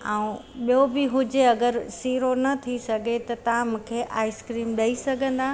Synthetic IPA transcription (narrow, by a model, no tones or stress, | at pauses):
ãũɓijobɪɦʊd͡ʑeɐɡəɾsiːɾonɐt̪ʰisɐɡʱet̪ɐt̪ɐʋãmũːkʰeʔa̰ːɪskɾiːmɗɐisɐɡʱə̃nd̪aː